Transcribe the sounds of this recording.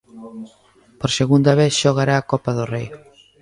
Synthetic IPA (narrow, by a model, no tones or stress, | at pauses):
poɾseɣund̪aβ̞eθʃoɣ̞aɾaːkɔpaðorej